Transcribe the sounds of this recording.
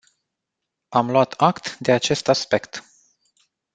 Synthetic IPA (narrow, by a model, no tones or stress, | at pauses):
amlwat̪ʰakt̪d̪e̞at͡ʃe̞st̪aspe̞kt̪